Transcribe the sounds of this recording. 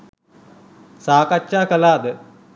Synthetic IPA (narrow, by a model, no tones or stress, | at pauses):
saːkat͡ʃːaːkɐlaːd̪ə